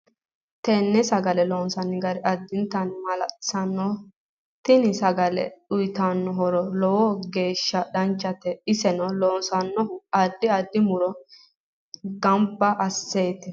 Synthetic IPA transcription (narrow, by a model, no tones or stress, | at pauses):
t̪ɛnːɛsɐɡɐlɛloːnsɐnɪɡɐɾɪɐd̪ːɪnt̪ɐnmɐlɐsɐnːɔ | t̪ɪnɪsɐɡɐlɛ̰ɗʊjt̪anːɔɦɔɾɔlɔwɔɡe̞ːʃːɐɗɐnt͡ʃːɐt̪ɛɪsɛnɔloːnsɐnːɔhʊɐd̪ːɪɐd̪ːɪmʊɾɔ | ɡɐmbːɐʔɐsːeːt̪ɪ